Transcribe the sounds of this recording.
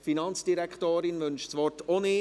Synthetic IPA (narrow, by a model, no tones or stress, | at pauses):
finɑnt͡sd̥iɾɛkχtoːɾɪnʋɵnʃsʋɔrtɔni